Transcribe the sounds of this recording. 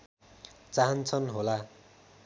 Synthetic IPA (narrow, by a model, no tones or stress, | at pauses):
t͡saɦʌnt͡sʰʌnɦola